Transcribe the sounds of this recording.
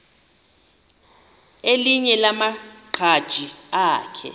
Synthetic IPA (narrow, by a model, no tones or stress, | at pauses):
eliɲɛlamaǃʰad̥ʒ̥ʱiaːkʰɛ̰